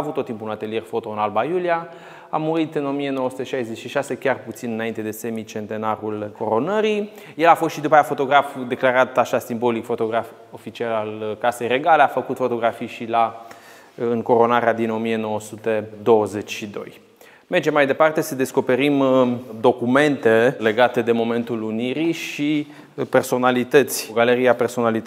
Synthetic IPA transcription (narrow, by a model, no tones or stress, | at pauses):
avut̪ːot̪ːimpunat̪e̞lije̞rfo̞t̪o̞ɨnalbajulia | a̰muɾit̪ɨno̞mie̞no̞wəsut̪eʃajzet͡ʃʲʃiʃase̞kʲarput̪sinɨnaint̪e̞d̪e̞se̞mit͡ʃe̞nt̪e̞naɾulko̞ɾo̞nəɾi | je̞lafo̞st̪ʃid̪upajafo̞t̪o̞ɡɾafd̪e̞klaɾat̪aʃasimbo̞likfo̞t̪o̞ɡɾaf | o̞fit͡ʃialalkase̞jre̞ɡale̞afəkut̪fo̞t̪o̞ɡɾafijʃila | ɨŋko̞ɾo̞naɾead̪ino̞mie̞no̞wəsut̪e̞d̪o̞wəze̞t͡ʃʲʃid̪o̞̰j | merd͡ʒemːajd̪e̞part̪e̞səd̪e̞sko̞pe̞ɾimd̪o̞kume̞nt̪e̞le̞ɡat̪e̞d̪e̞mo̞me̞nt̪uluniɾiʃi | pe̞rso̞nalit̪ət̪sʲɡaleɾiape̞rso̞nalit̪